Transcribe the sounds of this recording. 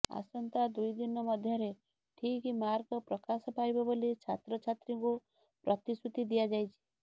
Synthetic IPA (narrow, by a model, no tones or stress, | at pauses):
a̰sɔnt̪ad̪ujd̪inɔmɔd̪ʱjɔɾe | ʈʰikimaɾkɔpɾɔkasɔpajbɔbolit͡ʃʰat̪ɾɔt͡ʃʰat̪ɾiŋku | pɾɔt̪isut̪id̪ijad͡ʒajt͡ʃʰi̥